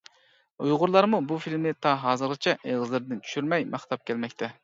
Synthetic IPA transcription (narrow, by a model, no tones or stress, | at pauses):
ujʁʊɾlˠɑɾmubufilmɪt̪ʰɑɦɑːzɨɾʁɨt͡ʃʰɛʔeʁɨzlɪɾd̪ɪnt͡ʃʰy̥ʃyɾmɛjmɑχt̪ʰɑp̚kʲʰɛlmɛkʲt̪ʰɛ